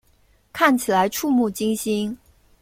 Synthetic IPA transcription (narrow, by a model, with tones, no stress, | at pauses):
kʰa˥˩nt͡ɕʰi˨˩la˧˦ɪʈ͡ʂʰu˥˧mu˥˩t͡ɕi˥ŋɕi˥n